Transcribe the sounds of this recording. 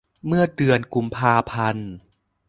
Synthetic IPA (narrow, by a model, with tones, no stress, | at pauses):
mɯ˥˩ɐdɯ˧ənku˧mpʰaː˧pʰa˧n